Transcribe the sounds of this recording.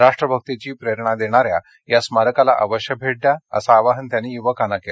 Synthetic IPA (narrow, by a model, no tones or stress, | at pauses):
ɾaʂʈɾəbʱək̚t̪it͡ɕiːpɾeɾɳad̪eɽ̃aɾja | jasmaɾəkala̰ʔə̰ʋəɕjək̚bʱeɽ̚d̪jaə̰saːʋaɦənt̪janːiːjuʋəkanakel